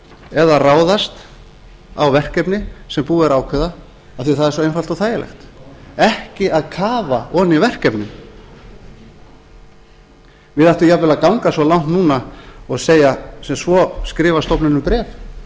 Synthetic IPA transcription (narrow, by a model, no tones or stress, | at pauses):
ɛðaraːwðast̪ | awvɛr̥cɛpnɪsɛmpuːɛɾaːwkʰvɛða | aθiθaðɛɾs̬ɔejnfalt̪ɔθaːjɪlɛ̰xt̪ɛhcɪʔaðkʰaːvaɔːnɪvɛr̥cɛpnɪm | vɪðaht̪ʏjavɛlakawŋkasvɔlawŋ̥t̪nuːnaɔɣseːjasɛmsvɔskɾɪːvḁst̪ɔpnɪnʏmpɾɛːf